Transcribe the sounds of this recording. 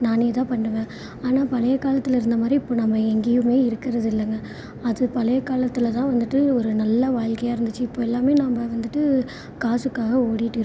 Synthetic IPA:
naːneːt̪ãːpɐɳːɯʋẽː | aːnaːpɐlɐjɐkaːlɐt̪ːɪlɐɪɾɯnd̪ɐmaːd̪ɾiɪpːoːnɐmːɐɛŋɡɪjɯmeːɪɾɯkːɪɾɐðɯɪlːɐŋɡɐ | ɐðɯpɐlɐjɐkaːlɐt̪ːɪlɐt̪ãːʋɐnd̪ɯʈːɯɔɾɯnɐlːɐʋaːɭkɐjaːɪɾɯnd̪ɯt͡ʃːɯɪpːoːɛlːaːmeːnaːmbɐʋɐnd̪ɯʈːɯ | kaːsɯkːaːɣɐoːɽɪjɪʈːɯɾ

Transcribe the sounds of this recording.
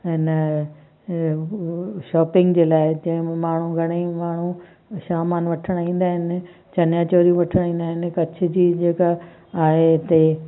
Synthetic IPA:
ɦɪnə | ʃɔːpɪ̃ŋɡd͡ʑeːlaːɪd͡ʑɐ̃ɦɪ̃m̃maːɳ̤ũɡʱɐɽ̃imaːɳ̤ũ | ʃaːmaːnʋɐʈʰəɽ̃aĩːn̆d̪aːɦɪnɪ̆ | t͡ɕɐnjaːt͡ɕoːɾijũʋɐʈʰəɽ̃ĩːn̆d̪aːɦɪnɪ̆kɐt͡ɕʰɪ̆d͡ʑiːd͡ʑeːka | aːɦet̪e

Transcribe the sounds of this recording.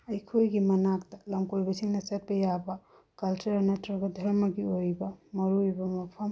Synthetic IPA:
ɐjkʰojɡimɐnak̚tɐlɐmkojbɐsiŋnɐsɐt̚bɐjabɐ | kɐlt͡ʃuɾanetuɾɡɐdʱɐɾmɐɡiojbɐmɐɾujbɐmɐpʰɐm

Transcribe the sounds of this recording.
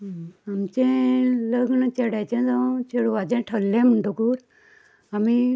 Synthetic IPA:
amt͡ɕẽləɡɳət͡ɕeɽajt͡ɕẽd͡zãt͡ɕeɽuʋad͡ʑɛ̃ʈʰəlːẽm̤əɳʈokuːɾ | ami

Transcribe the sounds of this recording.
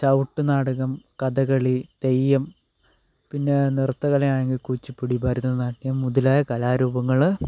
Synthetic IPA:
sɐwʈːɨnaːɽuɣɐmkɐd̪ɐɣɐɭit̪ejːɐm | pinːe̞nirt̪ːɐɣɐlɐjaːɳeŋɡilkut͡ɕːipːiɽibɐɾunːɐðɨnaːʈːiɲɐmmuðɐlaːjɐkɐlaːɾuːbɐŋːɐɭ

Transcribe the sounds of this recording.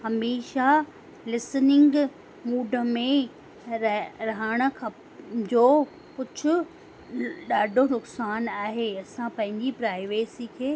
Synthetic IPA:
hɐmeːʃa | lɪsnɪŋɡ | muːɖʱəmẽ | ɾɐɦəɽ̃ə̆kʰa | d͡ʑoː | kʊd͡ʑʱʊ̆ | ɗaːɖʱonʊksaːnaːɦeːɐsãpɐ̃ɦɪ̃ɲd͡ʑipɾaːɪʋeːsikʰeː

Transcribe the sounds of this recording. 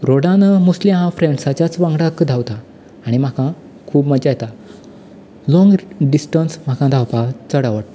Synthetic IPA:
ɾoɽãnmuslimɦãfɾẽɳɖsat͡ɕat͡sʋãŋɡɽakd̪ʱawt̪aː | ɽ̃im̤akã | kʰuːbməd͡ʑajt̪a | lɔ̃ŋɡɖisʈənsm̤akãd̪ʱawpat͡səɽaʋəʈ

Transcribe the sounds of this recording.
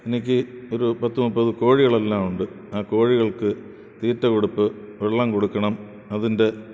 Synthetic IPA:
e̞nikʲːɨo̞ɾupɐt̪ːumupːɐðɨko̞ːɻiɣɐɭe̞lːaːmuɳɖɨ | aːko̞ːɻiɣɐɭkɨ | t̪iːrtːɐko̞ɽupːɨ | ʋeɭːaːmko̞ɽukːɐɳɐm | ɐðinde̞

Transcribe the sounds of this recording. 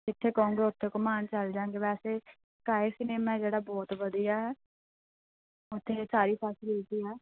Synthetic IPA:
ɪt̪ʰːeːkɔũŋɡeːʊt̪ʰːeːkʊmaːnt͡ʃəld͡ʒãːŋɡeːbɛːseː | kaːesɪneːmãd͡ʒeːɽaːbɔːt̪ʋəd̪ijaːɛː | ʊt̪ʰːeːsaːɾiːpʰɛːsliːt̪iːɛː

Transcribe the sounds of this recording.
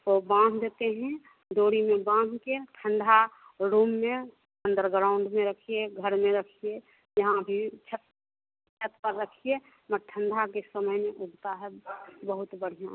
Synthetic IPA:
t̪obãnʱd̪ʱet̪eɦɛ̃ | d̪oːɾimẽbãːnd̪ʱkeʈʰə̃ɳɖʱaɾuːmːẽ | ə̃nd̪əɾɡɾaːʊ̃ɳɖmẽɾəkʰieɡʱəɾmẽɾəkʰie | jɐɦãbʱit͡ʃʰət̪ | t͡ʃʰət̪pəɾːəkʰie | məɾʈʰə̃ɳɖʱakesəməjmẽʔʊɡt̪aɦɛbəɦʊt̪bəɽ̤ijã̰

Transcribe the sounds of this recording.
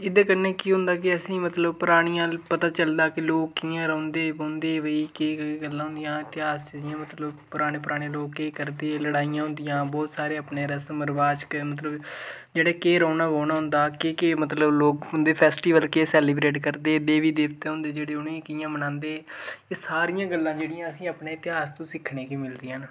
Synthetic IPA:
ɪd̪eːkəɾneːkiɦʊ̃nd̪aːkɪəsĩːmət̪ləbpʊɾaːɽ̃ijãːpət̪aːt͡ʃəld̪aːkɪloːkːijãːɾə̃ːnd̪eːbõːnd̪eːʋəikeːɡəlːãːɦʊ̃nd̪ijãːɪt̪ɪɦaːst͡ʃiːzɪjãːmət̪ləbpʊɾaːɽ̃eːpʊɾaːɽ̃eloːkːeːkəɾd̪eləɽaːijãːɦʊ̃nd̪ɪjãːbɔːt̪saːɾeːəpneːɾəsməɾʋaːt͡ʃkmət̪̬ləbd͡ʒeːɽaːkeːɾəːnaːboːnaːɦʊ̃nd̪aːkeːkeːmət̪ləbloːk̚ʊnd̪eːpʰɛːsʈiːʋəlkeːsɛːliːbɾeːʈkəɾd̪eːd̪eːʋiːd̪eːkt̪eːɦʊ̃nd̪eːd͡ʒeːɽeːʊnːkɪjãːbənãːnd̪eːeːsaːɾijãːɡəlːãːd͡ʒeːɽijãːəsĩːapneːɪt̪ɪɦaːst̪õːsɪkʰːɳẽːkiːmɪld̪iːən

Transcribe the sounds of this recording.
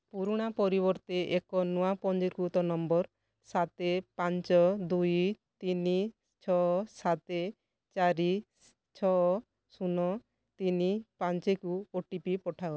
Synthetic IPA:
puɾuɽ̃apɔɾibɔɾt̪eʔekɔnuapɔnd͡ʒeɾkut̪ɔnɔmbɔɾ | sat̪epant͡ʃɔd̪ujt̪ini | t͡ʃʰɔsat̪e | t͡ʃaɾi | t͡ʃʰɔ | sunɔ | t̪inipant͡ʃekuoʈipipɔʈʰaɔ

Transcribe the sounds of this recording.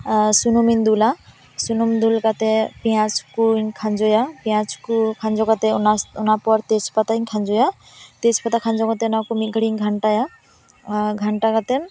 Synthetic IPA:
sunumind̪ula | sunumd̪ulkat̪ɛpijãt͡ʃʰkuɲkʰand͡ʒɔjapijãt͡sʰkukʰand͡ʒɔkat̪ɛnaunapɔɾt̪et͡ʃʰpat̪aiɲkʰand͡ʒɔja | t̪et͡ʃʰpat̪akʰand͡ʒɔkat̪ɛnakumiɡʱəɽiŋɡʱaɳʈaja | ɡʱaɳʈakat̪ɛ

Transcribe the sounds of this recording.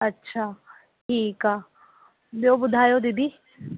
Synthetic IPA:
ɐtːʃʰaː | ʈʰiːka | boːbʊd̪ʱaːjod̪id̪i

